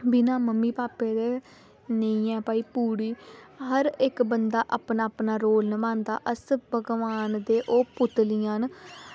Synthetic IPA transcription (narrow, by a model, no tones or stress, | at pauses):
bɪnãːməmːiːpaːpeːd̪eː | neĩɛ̃ːpaːiːpuːɽiːɦəɾɪkbənd̪aːʔaːpnaːpnaːɾoːlnəmãːnd̪a̰ːʔəsbəɡʋaːnd̪eːʔoːpʊt̪lɪjãːn